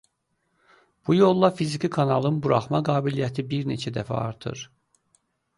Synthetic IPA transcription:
b̥ujo̞lˠːɑfizicikʰɑnɑlˠɯnbuɾɑχmɑɡɑːbilijæt̪ʰibiɾne̞t͡ʃʰæd̪æfæ̰ɑ̰ɾt̪ʰɯ̰ɾ

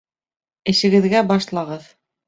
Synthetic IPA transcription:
ɘ̆ʃɘ̆ɡɘ̆ðɡæbɑʃlˠɑʁɤð

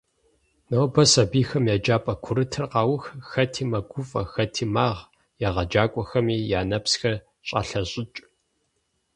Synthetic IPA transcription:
nɐwbɐsɐbiːxɐmjaːd͡ʒaːpʼɐkʷʰʊɾɨtʰɨrqɑːwʊxxɐtʰiːmɐɡʷʊfʼɐ̰xɐtʰiːmaːʁ | jaːʁɐd͡ʒaːkʷʼɔxɐmiːjaːnɐpsxɐ | ɕʼa̰ːɬɐɕʼɪt͡ʃʼ

